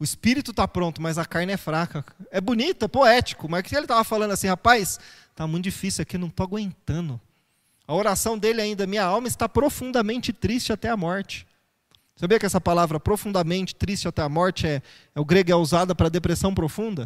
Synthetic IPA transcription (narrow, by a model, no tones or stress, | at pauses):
ʊɪspiɾit̪ʊt̪apɾõnt̪ʊmɐzɐkaɾnɪɛfɾakɐɛbʊnit̪ɐɛpoɛt͡ʃɪ̥kʊmɐskɪelɪt̪avɐfalɐ̃nd̪asĩhapajs | t̪amũj̃t̪d͡ʒifisiwɐkewnɐ̃w̃t̪oaɡwẽnt̪ɐ̃nʊ | ɐoɾasɐ̃w̃d̪elɪaĩnd̪ɐmĩɲɐawmɐɪst̪apɾofũnd̪ɐmẽnt͡ʃɪt̪ɾist͡ʃɪat̪ɛɐmɔɾt͡ʃɪ̥ | sabiɐkɪɛsɐpalavɾɐpɾofũnd̪ɐmẽnt͡ʃɪ̥t̪ɾist͡ʃɪat̪ɛamɔɾt͡ʃɪɛ | ɛʊɡɾeɡʊɛuzad̪ɐpɾɐd̪epɾesɐ̃w̃pɾofũnd̪ɐ